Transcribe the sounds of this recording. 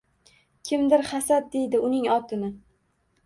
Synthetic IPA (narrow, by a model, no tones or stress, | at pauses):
kʲʰɪmd̪ɪɾχasad̪̚d̪e̞jd̪ɪʊnɪŋɒt̪ʰɪnɪ